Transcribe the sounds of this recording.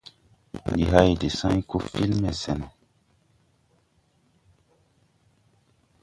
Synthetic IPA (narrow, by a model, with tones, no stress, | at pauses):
ndi˨ɦa˦jde˨sã˦ɲ˦ku˦fi˦lmɛ˨sɛ˨nɛ˨